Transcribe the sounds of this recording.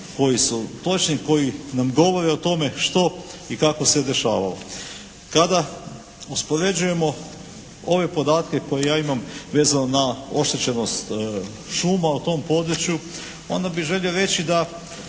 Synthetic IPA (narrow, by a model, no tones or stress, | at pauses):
ko̞jisut̪o̞t͡ʃniko̞jinamɡo̞ʋo̞ɾeot̪o̞me̞ʃt̪o̞ikako̞se̞d̪e̞ʃaːʋalo̰ | kad̪a | uspo̞ɾe̞d͡ʒuje̞mo̞ | o̞ʋe̞po̞d̪aːt̪ke̞ko̞je̞jaːimamʋe̞ːzanonao̞ʃt̪e̞t͡ɕe̞no̞st̪ | ʃuːmaut̪o̞ːmpo̞d̪ɾut͡ɕju | o̞nd̪abiʒe̞ʎʲioɾet͡ɕid̪a